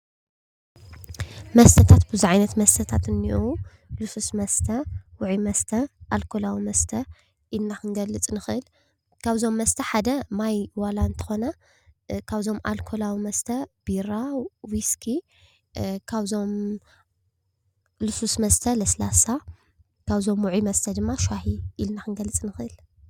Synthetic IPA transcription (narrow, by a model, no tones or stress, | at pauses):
mɐst̪ʰɐt̪ʰat̪bɨzuʕajnɐt̪mɐst̪ʰɐt̪ʰat̪ɨnːiʔu | lɨsusmɐst̪ʰɐwʊʕimɐst̪ʰɐʔalkʰolawimɐst̪ʰɐ | ʔinːakɨŋɡɐlːɨt͡sʼnɨxɨʔɨl | kʰaβzo̞mːɐst̪ʰɐħad̪ɐmajwalaɨnt̪ʰɐ̥xo̞nɐ | kʰaβzo̞mʔa̰lkʰolawimɐst̪ʰɐb̥iɾawiskʰi | kʰaβzo̞m | lususmɐst̪ʰɐlɐslasa | kʰaβzo̞mwʊʕimɐst̪ʰɐd̪ɨmːaʃaɦiilnaxɨŋɡɐlːɨt͡sʼnɨxɨl